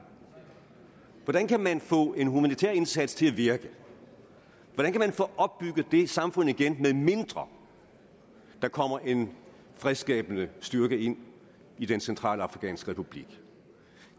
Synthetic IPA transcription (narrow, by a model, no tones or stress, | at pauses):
ʋɒd̥ænkʰæmænfɔ̰̽ːe̝nɦumænit͡sʰɛ̰ɐe̝nsæd̥st͡sʰe̝læʋiɐɡ̥ə | ʋɒd̥ænkʰæmænfɔ̰̽ːʔɒ̽b̥ːyɡ̥ð̩ˠd̥e̝sɑ̈mfɔ̽n̰ð̩ˠiɡ̥enmeme̝nd̥ʁɐ | d̥ɑ̈kʰɒ̽m̰ɐʔe̝n | fʁɛðˠsɡ̥ɛ̰ːb̥ənəsd̥yɐɡ̥əe̝n̰ | id̥ensent͡sʰʁɑ̰̈ːlɑ̈fʁikʰɛ̰ːnsɡ̥ʁɛpʰub̥lḭɡ̥